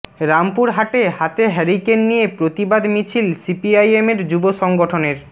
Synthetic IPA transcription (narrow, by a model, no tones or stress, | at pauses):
ɾampuɾɦaʈehat̪eɦɛɾikenːijepɾot̪ibad̪mit͡ɕʰilsipiajemeɾd͡ʑuboʃɔŋɡoʈʰoneɾ